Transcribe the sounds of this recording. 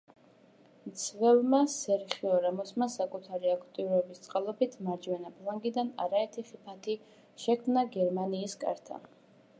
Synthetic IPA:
mt̪sʰvɛvmasɛɾχiɔɾamɔsmasakʼut̪ʰaɾiakʰt̪ʼiuɾɔɛbist̪sʼqʼalˠɔbit̪ʰmaɾd͡ʒwɛnapʰlˠaŋɡid̪ana̰ɾaɛɾt̪ʰiχipʰat̪ʰi | ʃɛkʰmnaɡɛɾmaniːskʼa̰ɾt̪ʰa̰

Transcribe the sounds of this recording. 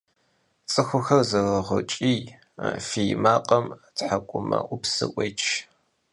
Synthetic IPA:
t͡sʼɨxʷʊxɐrzɐʁɐʁɐ̰t͡ʃʼiː | fiːmaːqʼɐmtħakʷʼʊmɐ̰ʔʷʊpsɨ̰ʔʷʼet͡ʃʰ

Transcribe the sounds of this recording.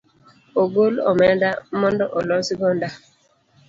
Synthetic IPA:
oɡolɔ̰mɛndamɔndɔʔɔlɔsiɡɔnda

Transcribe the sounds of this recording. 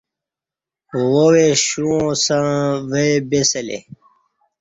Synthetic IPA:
woweɕuõsãʋebeselḛ

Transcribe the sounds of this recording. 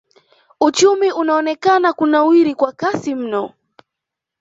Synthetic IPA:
ut͡ʃumiunaɔnɛkanakunawiɾikwakasim̩nɔ

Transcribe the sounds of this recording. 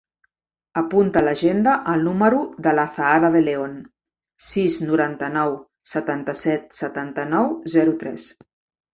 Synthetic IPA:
əpunt̪ələʒend̪əʔəlˠnuməɾuðələθaaɾəðəleon | siznuɾant̪ənɔw | sət̪ant̪əsɛt̪sət̪ant̪ənɔwzɛɾut̪ɾɛ̰s

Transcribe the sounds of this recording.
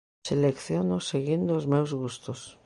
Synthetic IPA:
selekθjonoseɣind̪oːzmewzɣust̪os

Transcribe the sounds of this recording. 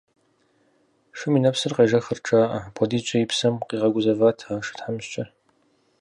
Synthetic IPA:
ʂɨminɐpsɨrqeːʒɐxɨrʈ͡ʂʼaːʔɐpʷʰɔdiːt͡ʃʼɐjipsɐmqiːʁɐɡʷʊzɐvaːtʰaːʂɨ̥tħamɕt͡ʃʼɐ

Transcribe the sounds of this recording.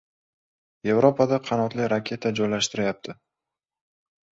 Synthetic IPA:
je̞vɾopʰad̪aqʰɑnɒt̪lɪɾakʲʰe̞t̪ʰad͡ʒɒjlaʃt̪ɪɾɪjap̚t̪ʰɪ

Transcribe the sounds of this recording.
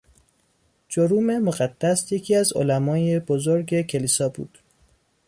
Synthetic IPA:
d͡ʒoɾuːme̞moɣæd̪̥ːæsje̞cʰiæzo̰læmɒːjebozoɾɟe̞cʰe̞liːsɒːbṵːd̪̥

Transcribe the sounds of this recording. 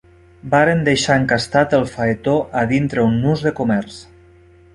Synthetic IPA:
baɾend̪ejʃaeŋkast̪at̪əlˠfaet̪oʔaðint̪ɾeunːuzðəkomɛɾs

